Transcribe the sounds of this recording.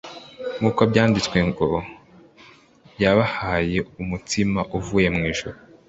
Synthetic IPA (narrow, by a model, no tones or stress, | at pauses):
ŋukabɟaːndit͡swe̞ŋɡo̞ | jaβahaːje̞umutimaʔuvuːje̞mŋiːʒ̥uɾu